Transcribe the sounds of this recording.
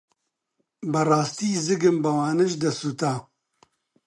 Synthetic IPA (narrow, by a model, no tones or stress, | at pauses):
bɐrˤɑːst̪iːzɨɡɨmbɐwaːnɨʒd̪ɐsut̪aː